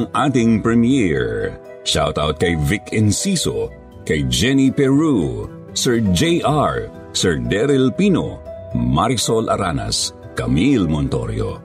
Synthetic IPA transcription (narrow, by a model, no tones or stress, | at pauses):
ɐŋʔat̪ɪŋpɹɛmjɛɹ | ʃawt̪awt̪̚kɐjvɪkɛnsiso | kɐjd͡ʒɛnipɛɹu | sɛɹd͡ʒejʔaɹ | sɛɹd̪ɛɾɛlpiːno̰maɾsolʔɐɾanɐ̰s | kɐmilmont̪o̰ɾjo̰